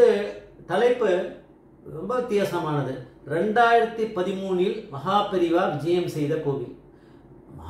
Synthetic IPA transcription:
ɯt̪ɐlɐɪpːɯ | ɾɔmbɐʊt̪ːjaːsɐmaːnɐðɯɾɛɳɖaːjɪɾɐt̪ːipɐðɪmuːɳɪlmɐɦaːpɪɾɪʋaːʋɪd͡ʒɐjɐmsɛjðɐkoːʋi | mɐ

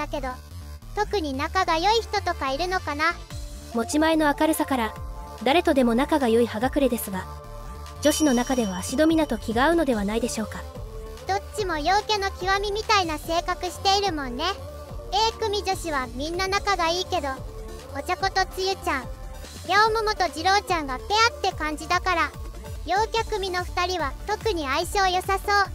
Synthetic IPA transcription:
ake̞d̪o̞ | t̪o̞kɯ̟ɲ̟inakaɡajo̞içi̥t̪o̞t̪o̞kaiɾɯ̟no̞kana | mo̞t͡ɕimae̞no̞akaɾɯ̟sakaɾa | d̪aɾe̞t̪o̞d̪e̞mo̞nakaɡajo̞ihaɡakɯ̟ɾe̞d̪e̞sɨɡa | d͡ʑo̞ɕino̞nakad̪e̞βaːɕid̪o̞mʲinat̪o̞kʲiɡaɯ̟no̞d̪e̞β̞anaid̪e̞ɕo̞ːka | d̪̥o̞t͡ɕːimo̞jo̞ːke̞no̞kʲiβamʲimʲit̪ainase̞ːkakɯ̟ɕi̥t̪e̞iɾɯ̟mõ̞nːe̞ | e̞ːkɯ̟mʲid͡ʑo̞ɕiβamʲĩnːanakaɡaiːke̞d̪o̞ | o̞t͡ɕako̞t̪o̞t͡sɨjɯ̟t͡ɕãŋ | jaomomo̞t̪o̞d͡ʑiɾo̞ːt͡ɕãŋɡape̞at̪ːe̞kãɲ̟d͡ʑid̪akaɾa | jo̞ːkʲakɯ̟mʲino̞ɸɯ̟̥t̪aɾʲiβat̪o̞kɯ̟ɲ̟iaiɕo̞ːjo̞saso̞ː

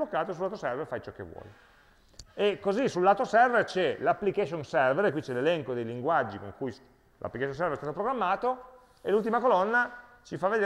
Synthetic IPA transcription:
lokːaːt̪oesulːat̪osɛrverfajt͡ʃɔkːḛvːwɔ̰ːle | ekːozisulːaːt̪osɛrvert͡ʃɛlapːlikaʃonsɛrveɾkwit͡ʃɛlelɛŋkod̪ejliŋɡwad͡ʒːiko̰ŋkuj | lʔa̰pːlikaʃjonsɛrveɾst̪aːt̪opɾoɡɾamːaːt̪o | elult̪̬imakolɔnːa | t͡ʃifavːed̪e

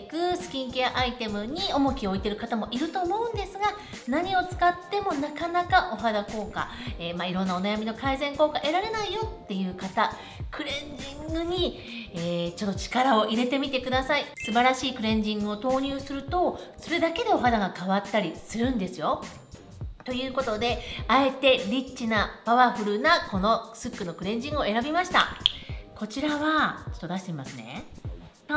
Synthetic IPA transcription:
kɯ̟sɨ̥kʲĩŋkʲejaʔait̪e̞mɯ̟ɲ̟io̞mo̞kʲio̞it̪e̞ɾɯ̟kat̪amo̞ʔiɾɯ̟t̪o̞ːmo̞ɯ̟̃nd̪e̞sɨɡa | naɲ̟io̞t͡sɨ̥kat̪ːe̞mo̞nakanakaʔo̞ɦad̪ako̞ːka̰eːmaiɾõ̞nːao̞najamʲino̞kaizẽ̞ŋko̞ːkaʔe̞ɾaɾe̞naijo̞t̪ːe̞jɯ̟ːkat̪a | kɯ̟ɾẽ̞ɲd͡ʑĩŋɡɯ̟ɲ̟i | eːt͡ɕo̞t̪ːot͡ɕi̥kaɾao̞ʔiɾe̞t̪e̞mʲit̪e̞kɯ̟d̪asaisɨbaɾaɕiːkɯ̟ɾẽ̞ɲ̟d͡ʑĩŋɡɯ̟o̞t̪o̞ːɲ̟ɨːsɨɾɯ̟t̪o̞so̞ɾe̞d̪ake̞d̪e̞o̞ɦad̪aɡakaβat̪ːaɾʲisɨɾɯ̟̃nd̪e̞sɨjo̞ | t̪o̞jɯ̟ːko̞t̪o̞d̪e̞ae̞t̪e̞ɾʲit͡ɕinapaβaɸɯ̟ɾɯ̟nako̞no̞sɨkːɯ̟no̞kɯ̟ɾẽ̞ɲ̟d͡ʑĩŋo̞e̞ɾabʲimaɕi̥t̪a̰ko̞t͡ɕiɾaβat͡ɕo̞̥t̪ːod̪aɕi̥t̪emimasɨne̞̰

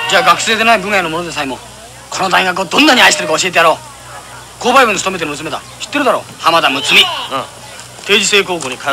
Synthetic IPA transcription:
d͡ʑaːɡakɯ̟̥se̞ːd̪e̞naibɯŋanomonod̪esaimo | kʰo̞no̞d̪aiɡak̬ɯod̪õ̞nːaɲ̟iaiɕi̥t̪eɾɯ̟kao̞ɕie̞t̪̬ejaɾo̞ː | ko̞ːbaibɯ̟nsɨ̥t̪omet̪̬eɯmɯsɨme̞d̪a̰ɕi̥t̪ːeɯ̟d̪aɾo̞̰ːhamad̪amɯ̟t͡sɨmʲi | t̪e̞ːd͡ʑise̞ːkoːkoːɲik

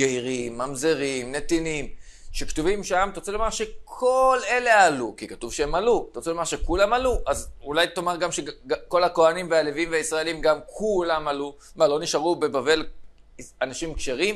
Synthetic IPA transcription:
ɡeiʁimːamzeʁimne̞t̪inim | ʃektuvimʃamt̪ot͡selomaʁʃe̞kʰo̞le̞le̞alukikat̪uvʃeemalut̪ot͡selomaʁʃe̞kulamaluʔazulajt̪omaʁɡamʃeako̞lako̞animvealevimveaisʁaelimɡamkʰulamalu | malo̞niʃaʁube̞bave̞l | anaʃimkʃeʁim

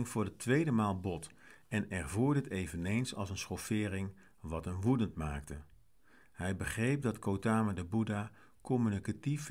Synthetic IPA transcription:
ŋvʊːɹdətʰʋejdəmaːlˠbɔt | ɛnɛɹvʊːɹdətejvənejnsɑ̰lˠsənsχɔfɪːɾɪŋ | ʋɑtənʋudəntmaːktə | hɛjbəχrejp̚dɑtkowtaːmədəbuda | kɔmynikatif

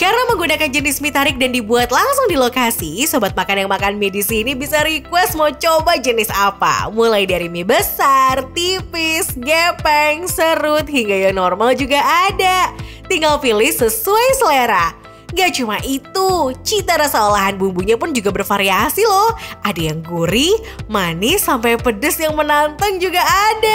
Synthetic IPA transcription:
karnaməŋɡunakand͡ʒənɪsmit̪aɾɪk̚dandibuat̪laŋsʊŋdilokasisobat̪̚makanjaŋmakanmedisiːnibisaɾikuasmat͡ʃobad͡ʒənɪsapa̰mulajdaɾimibəsart̪ifɪsɡɛpɛŋsəɾʊt̪̚hiŋɡajaŋnɔrmald͡ʒuɡaʔːdat̪iŋɡalfilɪsəsuajsəleɾa | ŋɡat͡ʃumaʔit̪ut͡ʃit̪aɾasaolaɦanbumbuɲapʊnd͡ʒuɡabərfaɾiasilɔhʔadajaŋɡuɾi | manɪsampajpədəsjaŋmənant̪əŋd͡ʒuɡaːda

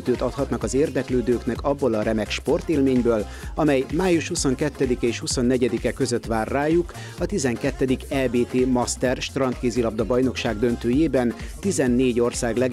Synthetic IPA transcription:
t̪øːt̪ɒt̪hɒt̪nɒkɒzeːrd̪ɛkløːd̪øːknɛkɒbːo̞lɒɾɛmɛkʃpo̞rt̪eːlmeːɲbøːl | ɒmɛjmaːjuʃhuso̞ŋkɛt̪ːɛd̪ikɛeːʃhuso̞nːɛɟɛd̪ikɛkø̞zø̞t̪ʋaːrːaːjuk | ɒt̪izɛŋkɛt̪ːɛd̪ikɛlbeːt̪eːmɒst̪ɛrʃt̪rɒnt̪keːzilɒb̚d̪ɒbɒjno̞kʃaːɡd̪ø̞nt̪øːjeːbɛnt̪izɛnːeːɟo̞rsaːɡlɛ

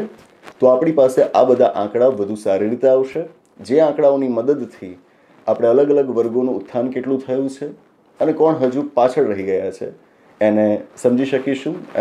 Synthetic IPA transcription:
t̪oapɽ̃ipaseʔabəd̪ʱaʔãkɽaoʋəd̪ʱusaɾiɾit̪aʋʃe | d͡ʒeãkɽaoniməd̪əd̪t̪ʰi | apɽ̃eələɡələɡʋəɾɡonũːt̪ʰːankeʈlũt̪ʰəjũt͡ʃʰe | ənekɔɳɦəd͡ʒupat͡ʃʰəɾəɦiɡəjat͡ʃʰḛ | enesəmd͡ʒiʃəkiʃũ

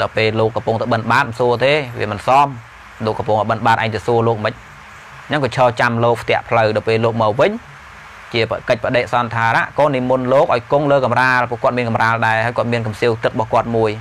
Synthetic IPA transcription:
ɗawpeːloːkːɑmpuŋt̪aɓənɓaːt̪̚suət̪eːʋḭəmɨnsɑːm | loːkːɑmpuŋʔɔjɓənɓaːt̪ʔa̰ɛŋt̪aːsuəloːk̚mɨc̚ | nəŋkɑt͡ɕʰəːt͡ɕamloːk̚pʰt̪ɛ̆əʔpʰləwɗɔːpeːloːk̚mɑːwʋɨɲ | t͡ɕiəpkəc̚pə̆ɗeːʔ̚sɑnt̪ʰaːɾa̰ʔkoːnimunloːk̚ʔaɔjkoŋləːkɑmraːlpŭəhkŏət̪miənkɑmraːlɗaɛhaːəkŏət̪̚miənkɑmsiəwt̪ɨk̚ɓɑhkŏət̪̚muəj

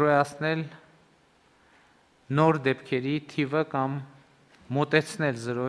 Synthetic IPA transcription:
ɾɔjɑt͡sʰnɛl | nɔɾd̪ɛpkʰɛɾit̪ʰivəkɑmː | ɔt̪ɛt͡sʰnɛlzəɾɔ

